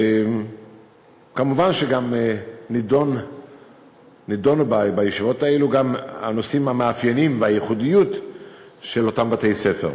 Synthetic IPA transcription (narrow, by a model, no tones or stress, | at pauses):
e | kamuvanʃeɡamenidon | ido̞nubabajeʃivo̞taeluɡama̰no̞simhameafjenimveajeχudijut | ʃelo̞tambatejse̞feʁ